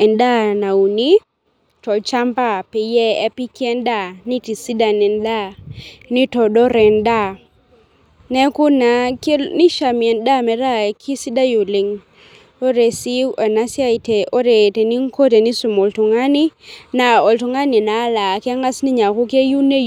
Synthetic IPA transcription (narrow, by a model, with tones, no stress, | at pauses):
ɛ˨nda˦na˨u˨ni˦ | tɔ˨t͡ʃa˦mpa˦˨pɛ˨jɛ˦ɛ˦pi˦ki˦ɛ˦nda˦˨ni˦ti˨si˦da˨nɛ˨nda˦ni˦tɔ˨dɔ˦ɾɛ˨nda˦˨ | nɛ˦kʊ˦na˨ke˦ni˦ʃa˨mi˨ɛ˨nda˦mɛ˨ɾa˦˨kʰi˦si˦da˦ju˨lɪ˨ŋ | o˦ɾe˨si˦ɔ˨na˦sja˦i˨te˨ʔo˦ɾe˨te˨ni˦ŋ˦ko˦te˨ni˦su˨mo˨ltu˨ŋa˦ni˦na˨ɔ˨ltu˨ŋa˦ni˨na˨˦la˨kɛ˦ŋa˦sni˦ɲa˨ku˦ke˦ju˦ne˦